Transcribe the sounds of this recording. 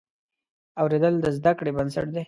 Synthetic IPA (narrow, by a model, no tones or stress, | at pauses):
awɾed̪əld̪əzd̪akɽebansə̰ʈ̚d̪e